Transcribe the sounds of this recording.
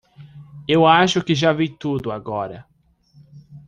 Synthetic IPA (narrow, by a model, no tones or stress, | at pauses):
ewaʃʊkɪʒavijt̪ud̪ʊaɡɔɾɐ̰